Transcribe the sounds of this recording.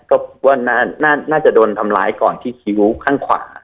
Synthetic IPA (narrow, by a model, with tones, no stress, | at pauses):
kɔː˥˩bo˨˩k̚waː˥˩naː˥˩naː˥˩naː˥˩t͡ɕa˨˩doː˧nt̪ʰa˧mla̰ː˦˥jkɔː˨˩nt̪ʰiː˥˩kʰi˦˥wkʰaː˥˩ŋkʰwa̰ː˩˦